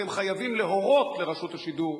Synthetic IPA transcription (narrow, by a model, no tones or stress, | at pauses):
emχajavimleɦo̞ʁo̞t̪leʁaʃut̪haʃid̪uʁ